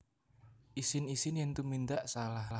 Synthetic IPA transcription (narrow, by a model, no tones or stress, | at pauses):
ʔisɪnisɪnjaŋt̪umind̪aʔsalahl